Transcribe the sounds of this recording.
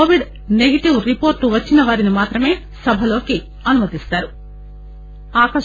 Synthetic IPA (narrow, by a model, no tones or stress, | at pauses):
oːʋiɖ | neɡɐʈiʋɾipoːɾʈːuʋɐt͡ʃːinɐʋaːɾinimaːt̪ɾɐme̞ː | sɐbʱɐlo̞ːki | ɐnumɐt̪ist̪aːɾu | aːkɐ